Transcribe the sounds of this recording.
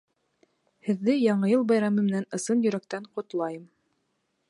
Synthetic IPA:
hɘ̆ðːɘjɑɴɤjɤlˠbɑjɾɑmɤmɘ̆nænɤ̆sɤnjɵ̆ɾækt̪æɴqŏt̪lˠɑjɤm

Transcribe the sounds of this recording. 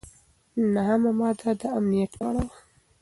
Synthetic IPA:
naɦamamɑd̪ad̪əamnijat̪ɑɽawa

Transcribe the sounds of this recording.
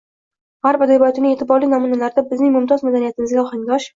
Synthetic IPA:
ʁaɾpad̪abt̪ɪnɪŋe̞t̪ʰɪbɒɾlijnɒmunalaɾd̪abɪznɪŋmʊmt̪ʰɒzmad̪anijat̪ɪmɪzɡʲaɒχaŋɡʲɒʃ

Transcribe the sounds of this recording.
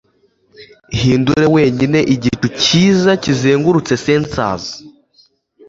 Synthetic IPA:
hiːnduɾe̞we̞ːɲine̞ʔiɟituciːzacizeːŋɡuɾut͡se̞seːnt͡sa̰zi

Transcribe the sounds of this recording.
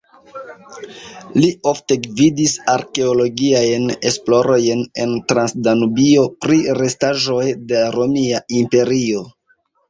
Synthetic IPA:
liʔo̞fte̞ɡvidisaɾke̞olo̞ɡiajne̞splo̞ɾo̞jne̞̰ntɾansdanubio̞pɾiɾe̞staʒo̞jdeɾo̞miaimpe̞ɾio̞

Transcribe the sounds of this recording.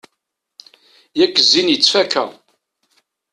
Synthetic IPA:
jækːəzːinjət͡sːfækːæ̰

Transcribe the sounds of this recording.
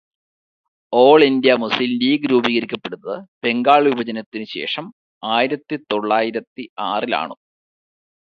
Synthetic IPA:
o̞ːɭind̪ijɐmuslilliːɡɨɾuːbiːɣɐɾikʲːɐpːe̞ɽunːɐðɨb̥e̞ŋɡaːɭʋibɐd͡ʑɐnɐt̪ːinɨɕe̞̰ːʂɐm | aːjiɾɐt̪ːit̪o̞ɭːaːjiɾɐt̪ːiaːrila̰ːɳṵ

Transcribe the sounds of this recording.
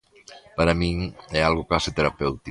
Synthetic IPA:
paɾamiɛalˠɣoklaset̪eɾapɛwt̪i

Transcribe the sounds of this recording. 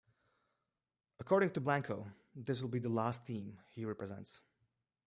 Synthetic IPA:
əkʰɔɹɾɪ̃ŋtɨblæ̃ŋkʰoʊ | ðɪs̬wəlˠbiðəlæsθĩmhiɹɛpɹɨzɛ̰̃nts

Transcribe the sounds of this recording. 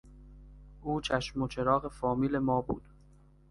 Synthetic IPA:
ʔuːt͡ʃʰæʃmo̞t͡ʃʰe̞ɾɒːɣe̞fɒːmiːle̞mɒːbṵːd̪̥

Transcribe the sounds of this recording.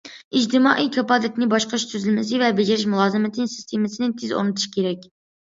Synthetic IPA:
id͡ʒt̪ʰɪmɑ̰ʔijkʲʰɑpɑd̪ɪt̪ʲnɪbɑʃqɑʃt̪ʰyzɪlmɪsɪvɛbɪd͡ʒeɾɪʃmulˠɑːzɨmɪt̪ʰɨnsi̥st̪ʰemɪsɪnɪt̪ʰɪzo̰ɾnɨt̪ʰu̥ʃkʲʰeɾɛkʲ

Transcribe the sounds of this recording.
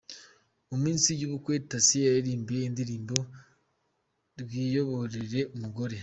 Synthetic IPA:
omiːnsiɟuβukweɾitasijaɾiɾiːmbiindiɾiːmbo̞ | ɾwiːjo̞βo̞ɾeɾe̞umuɡo̞ɾe̞

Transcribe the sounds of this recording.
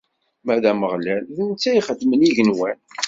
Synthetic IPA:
mæðæməʁlælθənt͡sːæiχəd̪məniʝənwæn

